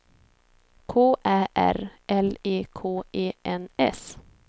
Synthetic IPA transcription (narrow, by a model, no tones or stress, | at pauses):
kʰoːʔæːʔæ̰ɾʔɛleːkʰoːeːʔɛnɛ̰s